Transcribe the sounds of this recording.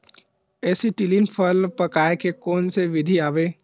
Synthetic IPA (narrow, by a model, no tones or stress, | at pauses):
ɛːsiʈilinpʰəlpɐkaːekekɔːnseʋɪd̪ʱiaːʋeː